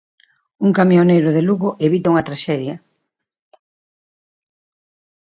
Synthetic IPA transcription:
uŋkamjonejɾʊðeluɣʊʔeβit̪auŋɐt̪ɾaʃɛðjɐ

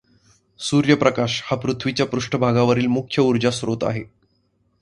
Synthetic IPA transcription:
suɾjəpɾəkaɕhapɾut̪ʰʋit͡ɕjapɾuʂʈəbʱaɡaʋəɾiːlmukʰjəuɾd͡ʑasɾot̪a̰ɦe

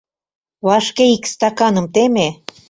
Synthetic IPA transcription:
βɑʃkeikst̪ɑkɑnə̆mt̪eme

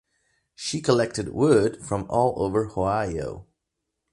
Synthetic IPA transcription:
ʃikʰəlɛk̚tɨd̚wʊd̥fɹʌ̃mɔlˠo̰ʊvə˞hoʊaɪo̰ʊ

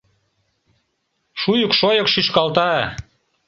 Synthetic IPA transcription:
ʃujŏkʃojɤ̆kʃyʃkɑlt̪ɑ

